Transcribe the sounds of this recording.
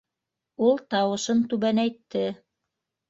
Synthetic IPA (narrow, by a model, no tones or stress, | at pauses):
ulˠt̪ɑwɤ̆ʃɤnt̪ʉβænæjt̪ːɘ